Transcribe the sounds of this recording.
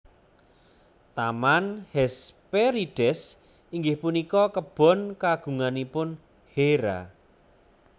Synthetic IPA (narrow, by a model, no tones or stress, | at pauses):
t̪amanhɛspeɾiɖ̥ɛs | iŋɡɪhpunikɔkəb̥ɔ̤nkaɡ̥ṳŋanipʊn | heɾa̰